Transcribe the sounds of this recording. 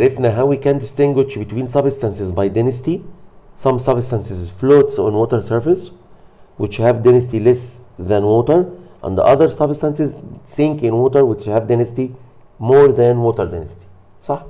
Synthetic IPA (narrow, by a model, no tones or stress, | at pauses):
ɾɪfnaɦawikæ̃nd̪ɪst̪ɪ̃ŋɡwɪʃbɪt̪wĩːnsʌbstãnsɪzbajd̪anastisɑ̃msʌbstãnsɪzfloːtsɔ̰̃nwoːt̪əɹsəɹfɪs | wɪt͡ʃhævd̪ɪnəst̪ilɛsðæ̃nwoːt̪əɹʔæ̰̃nd̪ə̰ʔʌðəɾsʌbstãnsɪzsɪ̃ŋkɪ̃nwoːt̪əɾwɪt͡ʃhævd̪ɪnasti | moːɾðæ̃nwoːt̪əɾd̪anasti̥ | sɑħ